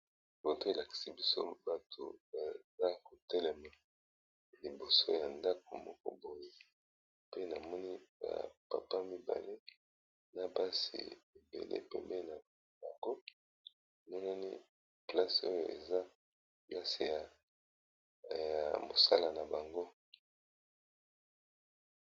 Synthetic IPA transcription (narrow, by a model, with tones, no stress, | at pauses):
bo˨to˦e˨la˨ki̥˨si˨bi˦so̰˦ba˨tʰo̰˨ba˨za˦ko˨tɛ˦lɛ˨ma˨ | li˨bo˨so˦ja˨nda˦k̚o˨mɔ̰˦kɔ̰˦bo˨je˦ | pe˦na˨mɔ˦ni˦ba̰˨pa̰˨pa˦mi˦ba̰˨li˦ | na˨ba˦sḭ˨e˨bḛ˨lḛ˦pɛ̰˨mbe˦na˨ | ba˨ŋɡo˦˨ | mɔ˦na˦nḭ˦ | pla˦so˦jo̰˨ʔe˨za˦ | pla˦si˨ja˨ | ja̰˨mo˨sa˦la˨na˨ba˨ŋɡo˦